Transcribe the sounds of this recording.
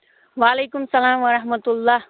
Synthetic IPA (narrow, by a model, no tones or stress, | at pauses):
ʋaːleːkʊmsɐlaːmʋɐɾɐɦmɐt̪ʊlːaːh